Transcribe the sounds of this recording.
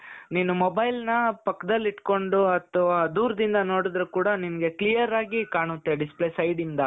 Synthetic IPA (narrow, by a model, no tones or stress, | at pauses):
niːnumobɐjlnɐpɐkːɐd̪ɐlːiʈko̞ɳɖuɐt̪ʰːɐʋaːd̪uːɾɐd̪ind̪ɐno̞ːɽid̪ɾukuːɽɐninɐɡe̞klijɐɾaːɡikaːɳut̪ːeɖisplesɐjɖind̪ɐ